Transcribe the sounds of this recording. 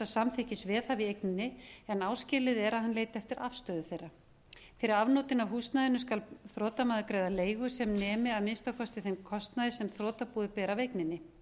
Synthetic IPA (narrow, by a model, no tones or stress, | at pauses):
asamθɪhcɪsvɛːðhaviejk̚nɪnːɪɛnaːwscɪːlɪðɛɾaðɦanleːjt̪ɛft̪ɪɾʔa̰fst̪œːðʏθejrːa | fɪɾɪɾavnoːt̪ɪnavɦuːst̪naðɪnʏskalθɾɔːt̪amaːðʏkɾeːjðaleːjɣʏsɛmnɛːmɪaðmɪnst̪akʰɔst̪ɪθejmkʰɔst̪naðɪsɛmθɾɔːt̪apuːðɪpɛːɾavejknɪnːɪ